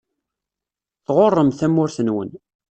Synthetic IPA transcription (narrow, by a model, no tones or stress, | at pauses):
θʁorˤːəmθæmːʊɾθənwə̰n